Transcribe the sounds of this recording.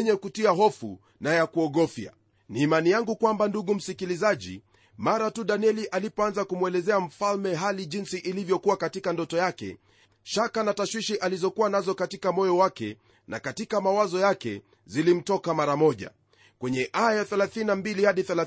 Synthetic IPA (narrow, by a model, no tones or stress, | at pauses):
ɲɛkutiaɦɔfṵ | najakuɔɠɔfja̰ | niːmanijaŋɡukwambanduɠum̩sikilizaʄḭ | maɾatuɗaniɛliʔalipɔanzakumuwɛlɛzɛam̩falmɛɦaliʄinsiʔilivjɔkuwakatikandɔtɔjakɛ̰ | ʃakanataʃwiʃiʔalizɔkuwanazɔkatikamɔjɔwakɛ | na̰katikamawazɔjakɛ̰ | zilim̩tɔkamaɾamɔʄa̰ | kwɛɲɛʔajaθɛlaθininambilihaɗiθɛla